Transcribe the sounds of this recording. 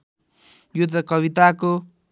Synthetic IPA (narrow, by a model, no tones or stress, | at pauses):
jud̪ʌkʌβit̪ako